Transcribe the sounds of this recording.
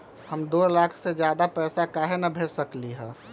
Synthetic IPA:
həmd̪oːlaːkʰsed͡ʒjaːd̪apɛːsakaːɦenəbʱeːɾsəkliɦɛ̃ː

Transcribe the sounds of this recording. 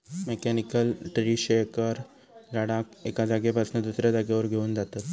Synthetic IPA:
mekɛnikəlʈɾiɕekəɾ | d͡zaɽakekad͡zaɡebʱasnəd̪usɾjad͡zaɡaʋəɾɡʱeuːnd͡zat̪at̪

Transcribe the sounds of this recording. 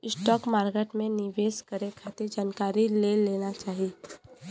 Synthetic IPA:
ɪsʈɔːkmaːɾɡeʈmẽnɪʋeːskəɾekʰat̪ɪɾd͡ʒaːnkaːɾileleːnat͡ʃaːɦi

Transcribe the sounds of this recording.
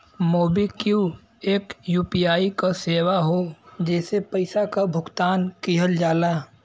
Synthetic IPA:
moːbikiu | eːkjuːpijaːikaseːwaɦod͡ʒɛːsepəɪsakabʱʊɡt̪aːnkiɦəld͡ʒaːlaː

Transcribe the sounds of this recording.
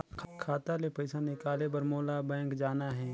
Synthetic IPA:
kʰkʰaːt̪alepɐɪsanɪkaːlebɐɾmoːlabɛ̃ːŋkd͡ʒaːnaɦɛ̃ː

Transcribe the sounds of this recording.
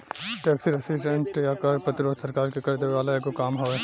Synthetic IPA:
ʈɛːksiɾɛsɪʈə̃ɳʈjakɐɾpɐt̪ɾoːt̪sɐɾkaːɾkekɐɾd̪eʋeʋaːlaeɡokaːmɦoe

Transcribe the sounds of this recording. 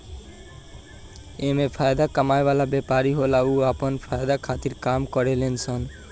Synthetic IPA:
emepʰajd̪akamaeβalabɛpaɾiɦolauapɔnpʰajd̪akʰat̪iɾkamkɔɾelensʰɔn

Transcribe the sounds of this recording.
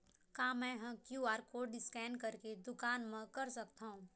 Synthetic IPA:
kaːmɛ̃ːɦɐ̃kjuːaːɾkoɖɪskɛ̃ːɳkɐɾked̪ʊkaːnmə̃kɐɾsɐkt̪aːɦũː

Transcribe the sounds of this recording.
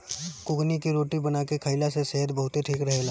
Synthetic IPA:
kʊknikiɾoːʈibənaːkekʰəɪlasesɛɦəd̪bəɦʊt̪eʈʰiːkɾɐɦeːlaː

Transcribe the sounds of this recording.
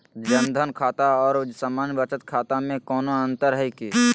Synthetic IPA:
d͡ʒənd̪ʱənkʰaːt̪aɔːɾʊd͡ʒsaːmaːnbət͡ʃət̪kʰaːt̪amẽkɔːnoə̃nt̪əɾɦɛiki

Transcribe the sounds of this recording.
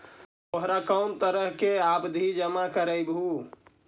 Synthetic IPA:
oɦɾakəmt̪əɾəɦkeabd̪ʱid͡ʒəmakəɾəjbu

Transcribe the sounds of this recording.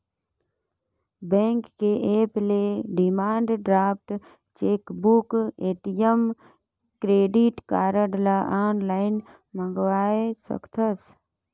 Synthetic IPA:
bɛ̃ːŋkːeʔeːpleɖɪmaːɳɖɖɾaːp̚ʰʈ | t͡ʃeːkbukeːʈijəm | kɾeːɖiʈkaːɾəɖlaʔaːnlaːɪn | mə̃ŋɡwaːesə̰kt̪ʰəs

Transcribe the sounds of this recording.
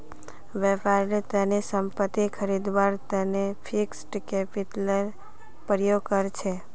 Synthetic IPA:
ʋɛpaɾnet̪ənisəmpət̪ːikʰəɾid̪ʋaɾt̪ənepʰiksʈkepiʈləɾ | pɾjoɡ̚kəɾt͡ʃʰe

